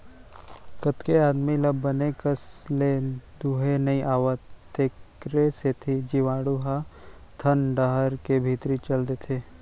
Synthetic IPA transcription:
kət̪keaːd̪miləbːənekəsled̪uɦenɐĩʔaːʋət̪ːeːkɾeset̪ʰid͡ʒiʋaːɽuɦat̪ʰənɖəɦəɾkebʱit̪ɾit͡ʃəld̪et̪ʰeː

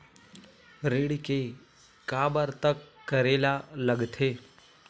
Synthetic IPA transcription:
ɾeːɽike | kaːbəɾt̪əkːəɾeːlaləɡt̪ʰeː

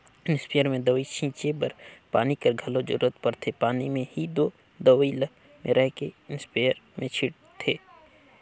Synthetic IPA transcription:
ɪnɪspejəɾmẽd̪əʋit͡ʃʰĩːt͡ʃebɐɾpaːnikɐɾɡʱɐlod͡ʒʊ̰ɾuːət̪pɐɾt̪ʰepaːnimẽhid̪oː | d̪əʋilə | mẽɾʔɛɦkeɪnspeːjəɾmẽt͡ʃʰɪɽ | t̪ʰeː

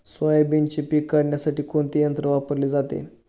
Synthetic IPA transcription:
sʋəjbent͡ɕepikːəɽɳjasaʈiːkoɳt̪ijənt̪ɾəʋapəɾled͡zat̪ḛ

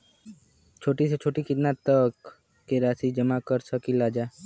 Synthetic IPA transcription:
t͡ʃʰoːʈiset͡ʃʰoːʈikɪt̪nat̪əkː | eɾaːsid͡ʒəmakəɾsəkilaːd͡ʒaːe

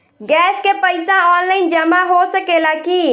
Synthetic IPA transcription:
ɡɛːskepəɪsãɔːnlaːɪnd͡ʒəmaɦosəkelaki

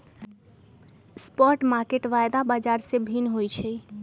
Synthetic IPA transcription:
spɔʈmaɾkeʈʋajd̪abad͡ʒaɾsẽbʱinɦojt͡ʃʰɛ

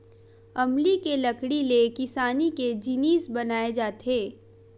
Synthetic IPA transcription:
ɐmlikelɐkɽilekɪsaːniked͡ʒiniːsbɐnaːed͡ʒaːt̪eː

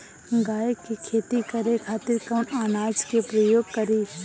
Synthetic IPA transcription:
ɡaːjkikʰeːt̪ikɐɾekʰaːt̪ɪɾkaʊnaːnaːd͡ʒkepɾəjoːɡ̚kɐɾi

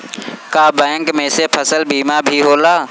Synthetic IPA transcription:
kaːbɛ̃ːŋkmẽːsepʰəsəlbiːmabʱiɦoːlaː

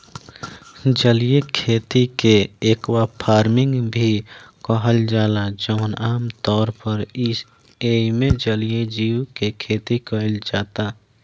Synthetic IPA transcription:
d͡ʒəlijekʰeːt̪ikeeːkwapʰaːɾmɪ̃ŋɡbʱikɔɦəld͡ʒaːlad͡ʒəʋnaːmt̪ɔːɾpəɾis | eːmẽd͡ʒəlijed͡ʒiːukekʰeːt̪ikəɪld͡ʒaːt̪aː

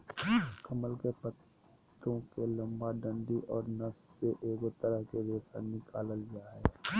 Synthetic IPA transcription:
kʰɐməlkepət̪ | ɾõkelɐ̃mbaɖə̃ɳɖiʔɔːɾnəsseʔeːɡot̪əɾəɦkeɾosa̰nɪkaːləld͡ʒaːɦɛː

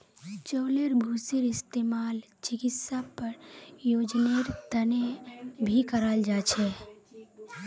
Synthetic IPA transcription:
t͡ʃoːleɾbʱuseɾɪst̪emaːl | t͡ʃɪkɪt̪sapəɾjod͡ʒneɾt̪ənebʱikəɾəld͡ʒaːt͡ʃʰɛ

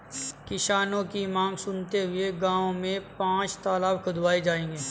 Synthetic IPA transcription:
kɪʃaːnõkimãːŋɡsʊnt̪eɦʊeɡãːõmẽpãːt͡ʃt̪aːlaːbkʰʊd̪waːed͡ʒaːẽːŋɡiː

